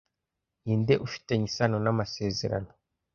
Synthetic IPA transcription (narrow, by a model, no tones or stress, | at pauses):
iːnde̞ʔufi̥te̞ɲisano̞namase̞ːze̞̰ɾa̰no̞